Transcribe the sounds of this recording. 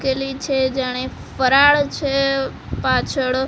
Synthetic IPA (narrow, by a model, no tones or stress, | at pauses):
kelit͡ʃʰed͡ʒaɽ̃ẽ | fəɾaːɭt͡ʃʰe | paːt͡ʃʰəɽ